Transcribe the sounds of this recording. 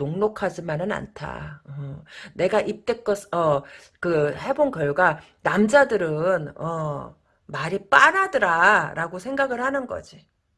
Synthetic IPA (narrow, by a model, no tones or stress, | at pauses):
oŋnokʰad͡ʑimanɯna̰ntʰa̰ʌne̞ɡaʔip̚t͈e̞k͈ʌsʌ | kɯhe̞bonkjʌɭɡwa | namd͡ʑadɯɾɯnʌ | maɾip͈aɾadɯɾaɾaɡosʰe̞ŋɡaɡɯɭhanɯnɡʌ̰d͡ʑi